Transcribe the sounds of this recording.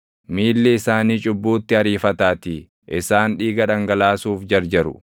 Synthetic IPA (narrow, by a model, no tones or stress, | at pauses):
miːlːɛɪsaːniːt͡ʃʼʊbːuːt̪ːɪɐɾiːfɐt̪aːt̪i | ʔɪsaːnᶑiːɡɐᶑɐŋɡɐlaːsuːfd͡ʒɐɾd͡ʒɐɾʊ̰